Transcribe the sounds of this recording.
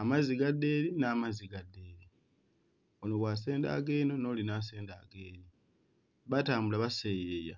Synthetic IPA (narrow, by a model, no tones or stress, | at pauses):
amaziɡadːe̞ːlinaːmaziɡadːeːli | onoβwaːse̞ːnda̰ɡeːno̞no̞ːlinas̬e̞ːnda̰ɡe̞li | βataːmbulaβasejeja̰